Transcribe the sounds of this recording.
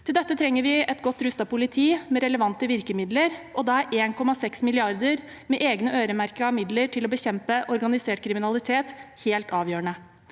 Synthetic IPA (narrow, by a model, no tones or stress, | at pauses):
t̪ʰɪld̪ɛt̪ːət̪ʰɾɛŋːəɾʋɪɛt̪ɡɔt̪ːɾʉst̪ɑpʊlɪt̪ʰiːmɛɾɛləʋɑnt̪əʋɪɾkəmɪd̪ləɾʔɔd̪ɑːæɾʔeːnkʰɔmɑsɛksmɪlɪɑɾd̪əɾ | mɛʔeːɡnəʔøːɾəmæɾkəɾɑmɪd̪ləɾʈʰɪlɔbəçɛmpəʔɔɾɡɑnɪseːʈ̚kʰɾɪmɪnɑlɪt̪ʰeːt̪heːlt̪ɑːʋjøːəɳə